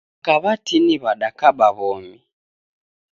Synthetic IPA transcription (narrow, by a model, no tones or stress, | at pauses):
kaβatiniβaɗakaɓaβɔmi